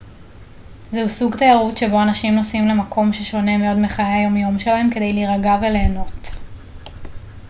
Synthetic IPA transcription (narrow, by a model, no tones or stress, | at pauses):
zehusuɡt̪ajaʁutʃe̞bo̞anaʃimno̞simle̞makʰo̞mʃe̞ʃo̞ne̞me̞o̞dmeχajeajo̞mjo̞mʃe̞laɦe̞mkede̞jliʁaɡave̞le̞ːno̞t